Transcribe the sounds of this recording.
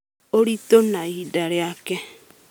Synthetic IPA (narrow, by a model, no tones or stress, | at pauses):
oɾitonaidaɾjake